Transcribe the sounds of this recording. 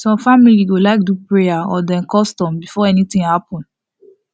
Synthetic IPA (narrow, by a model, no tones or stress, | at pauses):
sɔ̃mfamiliwilaɪk̚dupɹejaɔdɛ̃nkɔstɔ̃mbifɔɛnit̪ĩŋhapɔ̃nd